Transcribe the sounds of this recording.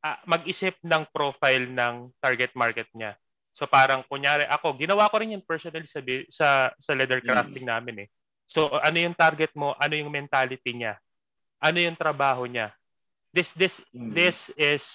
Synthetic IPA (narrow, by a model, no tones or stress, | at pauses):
ʔɐmɐɡ̚ʔɪsɪp̚nɐŋpɾo̞ːfajlnɐŋt̪aɹɡɛt̪̚maɹkɛt̪̚ɲa | so̞paːɾɐŋkʊŋjaːɾɛʔɐko̞ɡɪnɐwako̞ɾɪnjʊŋpɛɹsonɐlsɐbɪsɐsɐlɛd̪ɛɹkɾaft̪ɪŋnaːmɪnɛ | so̞ʔɐno̞jʊŋt̪aɾɡɛt̪̚mo̞ʔɐno̞jʊŋmɛnt̪aːlɪt̪iɲa | ʔɐno̞jʊŋt̪ɾɐbaːɦo̞ɲa | d̪ɪsd̪ɪsd̪ɪsɪs